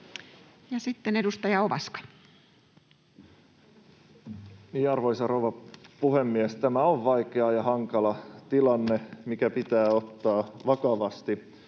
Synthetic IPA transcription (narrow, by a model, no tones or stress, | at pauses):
jɑsit̪ːene̞dust̪ɑjɑoʋɑskɑ̥ | niːɑrʋojsɑrowʋɑpuhemːiest̪æmæoʋʋɑikeɑjɑhɑŋkɑlɑt̪ilɑnːemikæpit̪æːo̞t̪ːɑːʋɑkɑʋɑst̪i